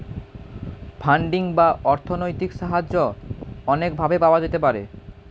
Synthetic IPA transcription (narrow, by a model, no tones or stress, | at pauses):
pʰaɳɖiŋbaʔɔɾt̪ʰonojt̪ikʃaɦad͡ʑːoɔnekbʱabepaoad͡ʑet̪epaɾḛ